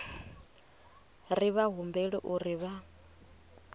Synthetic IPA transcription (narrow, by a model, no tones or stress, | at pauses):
riβaɦumbɛɺḭʔuɾiβa